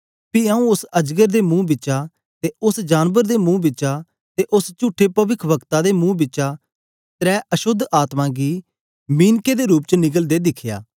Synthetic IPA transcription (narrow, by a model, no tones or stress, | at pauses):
piːaːũʊsəd͡ʒɡəɾd̪eːmũːbɪt͡ʃaː | t̪eːʊsd͡ʒaːnbəɾd̪eːmũːbɪt͡ʃaː | t̪eːʔʊst͡ʃuːʈʰːeːpəʋɪkʰbəkt̪aːd̪eːmũːbɪt͡ʃʃaː | t̪ɾɛːʔəʃʊd̪ʱaːt̪mãːɡiː | miːnkeːd̪eːɾuːp̚t͡ʃənɪɡəld̪eːd̪ɪkʰja̰ː